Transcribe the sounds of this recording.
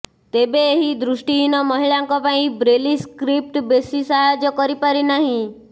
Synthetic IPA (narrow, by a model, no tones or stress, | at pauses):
t̪ebeeɦid̪ɾʊʃʈiɦinɔmɔɦiɭãŋkɔpaĩbɾeliskɾip̚ʈbesisajod͡ʒɔkɔɾipaɾinaɦĩ